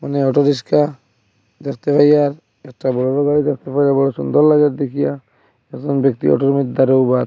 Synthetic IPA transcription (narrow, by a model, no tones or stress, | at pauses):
maneɔʈɔɾis̬ka | d̪ɛkt̪epʰajaɾ | ɛk̚ʈabɔɽɔlɔɡaɽid̪ɛk̚t̪epʰajabɔɽɔsund̪ɔɾlaɡɛtd̪ekʰija | ɛkzɔnbk̚t̪ḭɔ̰ʈɔɾmit̪̚d̪aɾowba